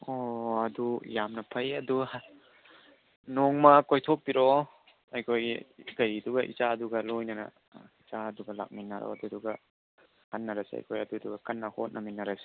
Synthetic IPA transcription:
oɐdujamnɐpʰɐjɐduh | noŋmɐkojtʰok̚piɾo | ɐjkʰojɡɐɾiduɡɐʔḭt͡ʃaɐduɡɐlojnɐnɐ̰ | izaɐduɡɐla̰k̚minːaɾɔ̰ɐduduɡɐ | kanːɐɾɐsiɐ̰jkʰojɐduduɡɐkɐnːɐhot̚nʔɐminːɐɾasi̥

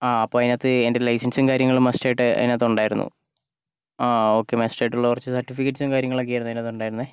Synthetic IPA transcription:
aːɐpːoːɐinat̪ːɨendelɐjsɐnsumkaːɾjɐŋːɐɭumestaːjiʈːɨɐ̰ðinat̪ːuɳɖaːjiɾunːṵ | ao̞ːkːe̞mestajʈːuɭːɐkurɐt͡ɕːɨsɐrtːifikːeʈːsumkaːɾjɐŋːɐɭɐk̬ːijajɾnːɐðinaːt̪ːuɳɖaːjiɾunɐðe

